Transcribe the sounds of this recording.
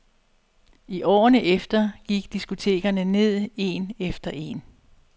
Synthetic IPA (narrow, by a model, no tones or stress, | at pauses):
iʔɒ̰ːnəʔefd̥ɐɡ̥iɡ̥d̥isɡ̥o̝t͡sʰe̝̰ːɡ̥ɐnəne̝ð̞̰ˠe̝̰ːnefd̥ɐʔe̝̰ːn